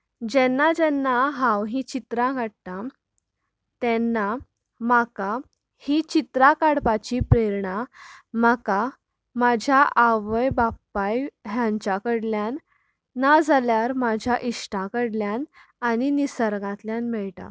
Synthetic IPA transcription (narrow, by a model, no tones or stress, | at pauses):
d͡ʑɛnːad͡ʑɛnːaɦãwɦĩt͡ɕit̪ɾãɡʱaɽ̚t̪a | t̪ɛnːa | maka | hit͡ɕit̪ɾakaɽpat͡ɕipɾeɾɳamaka | mad͡ʑʱjaʔaʋəjbapːajɦjãɲt͡ɕakəɽljanː | ad͡zʱaljaɾmad͡ʑʱjaʔiʂʈãkəɽljanañinisəɾɡãt̪ljanmɛɭʈã̰